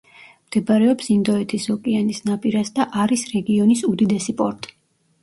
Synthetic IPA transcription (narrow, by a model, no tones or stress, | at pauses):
md̪̥ɛbaɾɛɔpsind̪ɔɛt̪ʰisɔkʼianisnapʼiɾasd̪aʔaɾisɾɛɡiɔnisud̪id̪ɛsipʼɔɾt̪ʼi̥